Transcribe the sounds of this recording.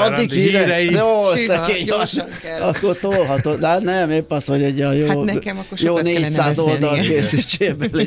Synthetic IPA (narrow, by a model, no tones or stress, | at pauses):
ɒd̪ikiɾɛjoːøsːɛkeːɲɒ | ɒkːort̪oːlɦɒt̪oːnɛnɛmepːɒshoɟɛɟɒjoːjoːneːcssaːzold̪ɒlkeːsit͡ʃːeːble